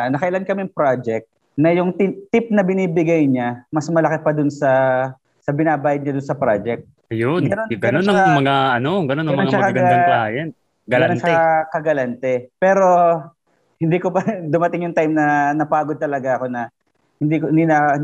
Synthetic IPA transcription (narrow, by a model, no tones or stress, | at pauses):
nɐkɐʔɪlankɐmɪŋpɾad͡ʒɛk̚t̪̚ | nɐjʊŋt̪t̪ɪp̚nɐbɪniːbɪɡɐjɲamɐsmɐlɐkɪpɐd̪ʊnsɐ | sɐbɪnaːbaːjɐd̪̚ɲad̪ʊnsɐpɾad͡ʒɛk̚t̪̚ | ɐjonɡɐnonɡɐnonɐmɐŋaʔɐnoɡɐnonɐŋmɐnaʃaɐkɐɡɐd̪ɐŋajɐn | ɡɐnɐʃakɐɡɐlant̪ɛpɛːɾo̞ | hɪnd̪iːkobɐd̪ʊmɐt̪ɪŋjʊŋt̪ajmnɐnɐpaːɡod̪̚t̪ɐlɐɡaʔɐko̞nɐ | hɪnd̪iknd̪inɐ